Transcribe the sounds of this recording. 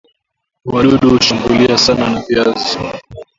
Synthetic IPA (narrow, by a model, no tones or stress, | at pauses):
waɗuɗuuʃaŋɡuliasananafiazi